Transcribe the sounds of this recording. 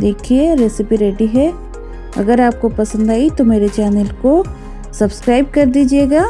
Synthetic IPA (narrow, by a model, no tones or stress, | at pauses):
d̪eːkʰieɾesɪpiɾeːɖiɦɛ | ɐ̰ɡəɾaːp̚kopɐsə̃nd̪aːit̪omeːɾet͡ʃɛːnəlko | sɐbskɾaːɪb̚kɐɾd̪iːd͡ʒieːɡaː